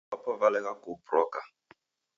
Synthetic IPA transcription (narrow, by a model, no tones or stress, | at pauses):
apɔvalɛɣakuprɔka